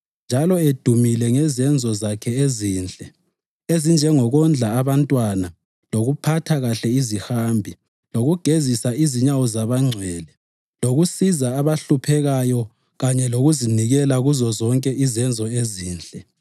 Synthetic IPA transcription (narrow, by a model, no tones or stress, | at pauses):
nd͡ʒʱalɔed̥ʱumilɛŋɛzɛnd͡zʱɔzakʰɛeziːnd͡ɮʼɛ | ezind͡ʒʱɛŋɔɣɔnd͡ɮʱaːβantʼwana | loɣupʰatʰaɣaɬɛizihambʱi | loɣuɡ̥ʱezisaiziɲawɔzaβaŋ͡ǀʱɛːlɛ | loɣusizaːβaɬupʰɛɣajɔ | ɣaɲɛloɣuziniɣɛlaɣuzɔzɔŋkʼɛʔizɛnd͡zʱɔeziːnd͡ɮʼɛ